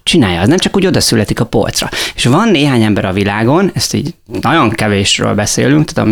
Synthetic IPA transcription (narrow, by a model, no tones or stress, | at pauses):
t͡ʃinaːjɒɛznɛmt͡ʃɒkuːɟo̞d̪ɒsylɛt̪ikɒpo̞̰lt̪srɒ̰e̥ʃvɒnːeːɦaːɲɛmbɛɾɒvilaːɡo̞nɛst̪ḭːɟnɒɟo̞ŋkɛveːʃrø̰ːlbɛsḛːlyŋkt̪ḁːt̪ɒ̰m